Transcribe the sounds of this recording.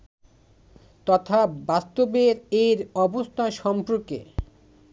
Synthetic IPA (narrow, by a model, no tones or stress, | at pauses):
t̪ɔt̪ʰabast̪obeɾeɾɔbost̪ʰaʃɔmpɾokḛ